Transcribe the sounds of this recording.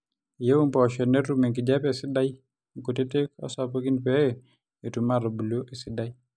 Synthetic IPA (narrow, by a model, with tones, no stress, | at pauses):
je˦wu˦mpɔ˨ʃɛ˨nɛ˦u˦me˨ŋki˨d͡ʒa˦pe˨sɪ˦da˦j | ŋko˨te˦te˦kɔ̰˦sa˨po˦ki˦npɛ˦ | e˨tu˨ma˦ɾo˨bu˨lo˦ʔe˨si˦da˦j